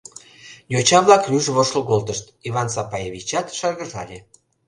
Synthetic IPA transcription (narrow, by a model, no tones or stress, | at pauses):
jot͡ɕɑβlɑkrʲyʒβoʃloɣolˠt̪əʃt̪iβɑnsɑpɑjaβʲit͡ɕɑt̪ʃɑrɣəʒɑ̰lʲe